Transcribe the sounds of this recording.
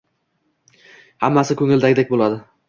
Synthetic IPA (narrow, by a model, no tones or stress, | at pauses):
hamːasɪkʰɵŋɪld̪aɡʲɪd̪ek̚ʲbolˠad̪ɪ